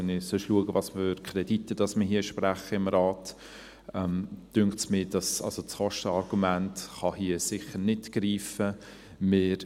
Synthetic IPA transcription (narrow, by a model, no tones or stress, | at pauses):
ɛnɪsøʃluəɡəvɑsfʏɾkʰχɾɛditːəd̥ɑsmɪɦiːəʃpræχəɪmɾɑːt | ɛmd̥ʏŋktsmɪːd̥ɑsɑ̰lsot͡sχɔʃtəɑɾɡ̥umæntχɑhiəsɪχəɾnɪtɡ̥riːfə | mɪːɾ